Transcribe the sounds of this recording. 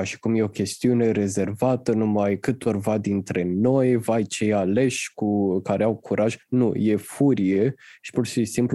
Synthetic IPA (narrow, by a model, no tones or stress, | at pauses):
aʃi̥kumje̞o̞kʲe̞st̪iune̞ɾe̞ze̞rvat̪ənumajkɨt̪o̞rvad̪int̪ɾe̞no̞jvajt͡ʃe̞jale̞ʃʲkukaɾe̞awkʰuɾʔaʒnuje̞fuɾije̞ʃi̥purʃisimpl